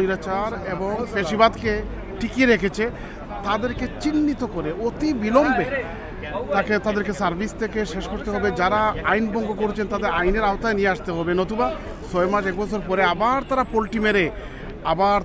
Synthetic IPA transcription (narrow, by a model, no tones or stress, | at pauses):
iɾat͡ɕaɾeboŋpeʃibad̪ke | ʈikieɾekʰet͡ɕʰe | t̪ad̪eɾket͡ɕinːit̪okoɾeot̪ibilɔmbe | t̪aket̪ad̪eɾkesaɾbʱist̪ʰekeʃeʃkoɾt̪eɦɔbed͡ʑaɾaajnbɔŋɡokoɾt͡ɕʰent̪ad̪eɾajneɾaot̪aenijeaʃt̪eɦɔbenot̪uba | sɔemaɾʃɛkbɔt͡ʃʰoɾpɔɾeabaɾt̪aɾapolʈimeɾe | abaɾ